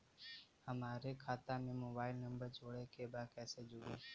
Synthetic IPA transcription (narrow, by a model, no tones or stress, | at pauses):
həmaːɾeːkʰaːt̪ãːmẽːmoːbaːɪlnəmbəɾt͡ʃoːɽeːkʰeːbaːkɛːseːd͡ʒoːɾiː